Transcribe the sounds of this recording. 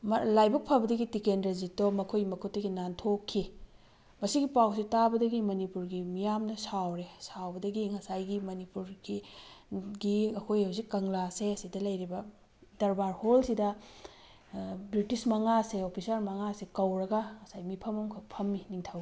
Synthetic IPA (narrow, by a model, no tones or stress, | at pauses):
mlajbɐk̚pʰɐbɐdɐɡitikenɾezitomɐkʰojmɐkʰutːɐɡinantʰokʰːi | mɐsiɡipawsitabɐdɐɡimɐnipuɾɡimijamnɐsawɾesawbɐdɐɡiŋɐsajɡimɐnipuɾɡi | ɡiɐkʰojhɐwzikːɐŋlaseɐsidɐlɐjɾibɐ | dɐɾbaɾholsidɐ | bɾitismɐŋaseopʰisɐɾmɐŋasekɐwɾɐɡɐŋɐsajmipʰɐmɐmkʰɐpʰɐmːiniŋtʰawi